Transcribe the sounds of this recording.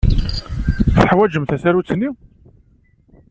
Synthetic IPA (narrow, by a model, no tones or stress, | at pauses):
θəħwæd͡ʒəmθæsæɾut͡sːənːi